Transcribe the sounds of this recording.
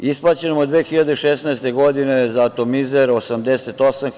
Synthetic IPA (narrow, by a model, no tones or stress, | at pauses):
isplˠaːt͡ɕenomod̪ʋeːxiʎad̪eiʃesnaest̪e̞ɡo̞d̪inezaːt̪o̞mizeɾosamd̪eset̪o̞sam